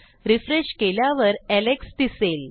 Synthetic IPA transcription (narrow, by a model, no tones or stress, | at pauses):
ɾifɾeɕkeljaʋəɾɛlekst̪isel